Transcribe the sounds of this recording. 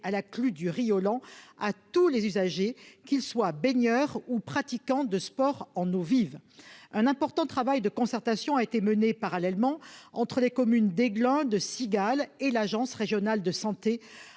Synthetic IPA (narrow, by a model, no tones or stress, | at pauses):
alaklyd̪yʁijɔlɑ̃at̪ulezyzaʒekilswabeɲjœʁupχat̪ikɑ̃d̪əspɔʁɑ̃novivɛ̃nɛ̃pɔʁt̪ɑ̃t̪χavajd̪əkɔ̃sɛʁt̪asjɔ̃aet̪emənepaʁalɛlmɑ̃ɑ̰̃t̪χəlekɔmynd̪eɡlɛ̃d̪əsiɡalelaʒɑ̃sʁeʒjɔnald̪əsɑ̃t̪e